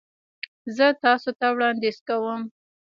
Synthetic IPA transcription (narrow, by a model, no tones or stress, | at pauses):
zət̪ɑsot̪awɽɑnd̪ezkawəm